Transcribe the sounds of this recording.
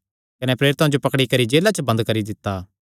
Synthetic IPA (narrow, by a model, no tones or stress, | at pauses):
kɐnɛpɾeːɾɪt̪ãd͡ʒopɐkɽikɐɾid͡ʒeːlat͡ʃəbɐ̃nd̪kɐɾid̪ɪt̪ːaː